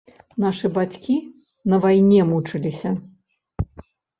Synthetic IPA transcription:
naʂɨbat͡sʲkʲi | nɐvajnʲɛmut͡ʂɨlʲisʲɐ

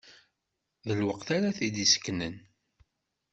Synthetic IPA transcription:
ðəlwəqθaɾaθid̪isə̥kːnən

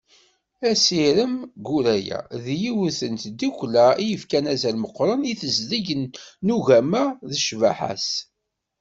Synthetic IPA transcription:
æsiɾəmɡuɾæjæ̰ðjiwuθənt̪d̪iklæijəfkænæzælməqːɾˤəniθəzðəʝnːuʝæmæðəʃvæ̰ħa̰s

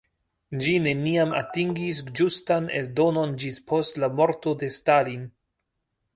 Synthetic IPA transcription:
d͡ʒine̞niama̰tiŋɡis̬d͡ʒustane̞̰ldo̞no̞nd͡ʒispʰo̞stlamo̞ɾto̞de̞stalin

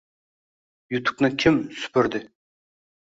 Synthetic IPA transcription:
jut̪ʰʊ̥k̚nɪkʲʰɪmsy̥pʰyɾd̪ɪ

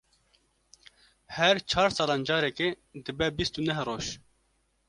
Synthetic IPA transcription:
hɛɾt͡ʃʰɑːɾsɑːlɑːnd͡ʒɑːɾɛke | d̪ɨbɛbist̪unɛɦroːʃ

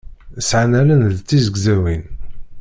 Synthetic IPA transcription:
sʕanælənðt͡sːizəɡzæwin

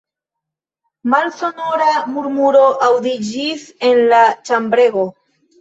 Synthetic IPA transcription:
malso̞no̞ɾamuɾmuɾo̞ʔawd̪id͡ʒise̞nlat͡ʃambɾe̞ɡo̞

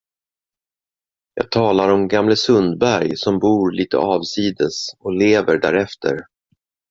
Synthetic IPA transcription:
jɑ̰ːɡ̚t̪ʰɑːlaɾɔmɡamləsɵnd̪bæɾjsɔmbuːɾliːt̪ʰə̰ɑːvsiːd̪əsɔleːvəɖæ̰ːɾɛft̪ʰə̰ɾ

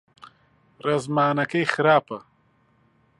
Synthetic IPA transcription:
ɾɐzmaːnɐkejxɾaːpɐ

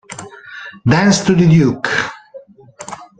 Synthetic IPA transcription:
d̪æ̃nst̪uðəd̪juk

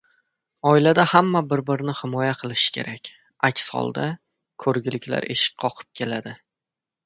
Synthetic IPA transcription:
ɒɪlad̪ahamːabɪɾbɪɾnɪhɪmɒjaqʰɨlˠɪʃɪ̥kʲʰe̞̰ɾʔakʲ | akʲshɒ̰lˠd̪a | kʰɵɾɡʲɪlɪkʲla̰ɾʔe̞̰ʃɪ̥k̚qʰɒqʰɨ̥p̚kʲʰe̞lad̪ɪ

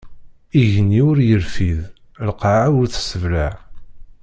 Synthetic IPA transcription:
iʝənːiʊɾjəlfið | lqʕawʊɾθə̥səvlaʕ

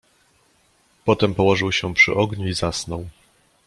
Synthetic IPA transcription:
pɔt̪ɛmpɔwɔʐɘwɕɛpʂɘ̰ʔɔɡɲuizasnɔw

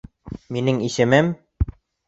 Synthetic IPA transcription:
minɘŋisɘ̆mɘm

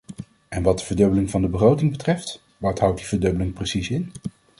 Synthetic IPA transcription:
ɛnʋɑt̚dəvəɹdɵbəlɪŋvɑndəbəχrowtɪŋbətrɛft | ʋɑtɦʌwtdivəɹdøbəlɪŋprəsisɪn

